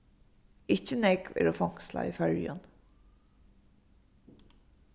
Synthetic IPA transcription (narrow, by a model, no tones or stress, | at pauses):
ɪçənɛkʋɪ̰ɾoːfɑŋslɑ̰ːiːfœɹjɑn